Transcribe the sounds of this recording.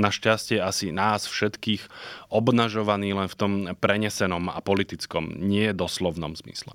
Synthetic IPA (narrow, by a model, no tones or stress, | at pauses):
naʃcascɛjɛasinaːsfʃɛt̪kiːxʔɔbnaʒɔʋaniːlɛnft̪ɔmpɾɛɲɛsɛnɔma̰pɔlit̪it͡skɔmɲɪɛjɛd̪ɔslɔʊnɔ̰mzmḭslɛ